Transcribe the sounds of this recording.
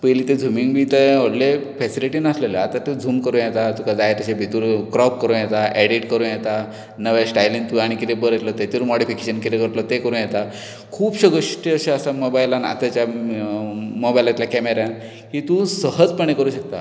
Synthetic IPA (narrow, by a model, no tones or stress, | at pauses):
pəjliːt̪ed͡zʱumiŋɡbiːt̪əəɽlefɛsiliʈinəsleləat̪at̪ed͡zʱuːmkəɾũːnjɛt̪at̪ukad͡zajet̪aɕebʱit̪uɾkɾɔpkəɾũːjɛt̪aʔɛɽiʈkəɾũːnjɛt̪a | nəʋasʈajlint̪uaɽ̃ikit̪ebəɾət̪lɔt̪et̪uɾmɔɽifikeɕənkit̪ekəɾt̪lɔt̪ekəɾũnjɛt̪a | kʰuːpɕəɡəɕʈeəɕeəsamobajlana̰t̪at͡ɕja | mobajlat̪ljakɛmeɾãn | kit̪usəɦəd͡zpəɳ̃ekəɾuːɕək̚t̪a